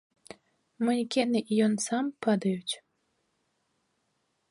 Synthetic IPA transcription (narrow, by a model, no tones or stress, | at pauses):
munʲkʲɛnɨʔijɔnsɑmpɑd̪ɐjut͡sʲ